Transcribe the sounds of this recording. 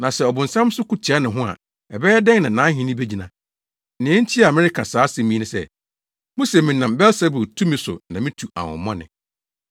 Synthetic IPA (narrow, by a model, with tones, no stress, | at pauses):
nã˨sɛ˦ɔ˨bʊ̃˨n̩˨sã˦m˦sʊ˦ku˦tʰi˨a˦nɪ̃˨ɦʊ̃˦a̰˨ | ɛ˨bɛ˦jɛ˦dɛ̃˦ŋnã˨nãː˨˦ɦĩ˦nɪ̃˦be˦d͡ʑi˨nã˨ | nɪ̃˨ɛ̃˦n̩˦tʰi˦a˨mɪ̃˦ɾɪ˦kʰã˨saː˨˦sɛ̃˨mĩ˦nɪ̃˨sɛ̰˦˨ | mõ˦se˨mĩ˨nã˨mbɛ˦lsɛ˦bʊ˨tʰu˦mɪ̃˦sʊ̰˨nã˨mɪ̃˦tʰu˨a̰˨wʊ̰̃˨mːɔ̃˦nɪ̰̃˨